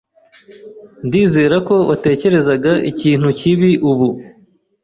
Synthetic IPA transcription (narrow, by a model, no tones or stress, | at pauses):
ndiːze̞ːɾako̞βate̞ːce̞ɾe̞zaɡaʔḭciːn̥huciβiʔuβu